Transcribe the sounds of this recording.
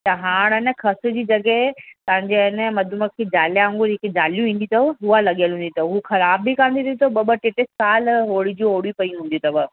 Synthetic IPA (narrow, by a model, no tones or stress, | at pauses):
t̪ɐɦaːɽ̃ənə̆kʰɐsʊ̆d͡ʑiːd͡ʑɐɡəet̪ɐɦɪ̃ɲd͡ʑeɪnəmɐd̪ʱʊməkʰeːd͡ʑaːljə̃ŋɡʊɾɦɪkd͡ʑaːljũĩːn̆d̪ĩt̪ʰɐɦualɐɠijəlɦũːnd̪it̪ɐɦuxɐɾaːbːikãːnd̪id̪t̪oɓɐbəʈɪʈɪsaːlɦoːɽid͡ʑĩoːɽipɐiɦũːn̆d̪ĩt̪ɐbɐ